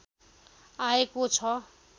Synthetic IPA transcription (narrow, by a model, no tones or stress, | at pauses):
aekot͡sʰʌ